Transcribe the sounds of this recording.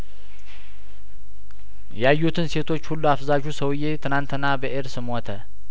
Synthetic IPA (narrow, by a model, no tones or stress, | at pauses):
jajːut̪ʰɨnse̞t̪ʰo̞t͡ʃːhulːuafzaʒusəwɨje̞t̪ʰɨnant̪ʰɨnːabəʔeɾsɨmot̪ʰə